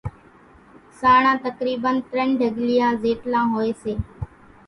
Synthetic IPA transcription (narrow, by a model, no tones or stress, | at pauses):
saːɳãːt̪əkɾiːbənt̪ɾəɳɖʱəɡlɪjãːzeːʈlãːɦoːeːseː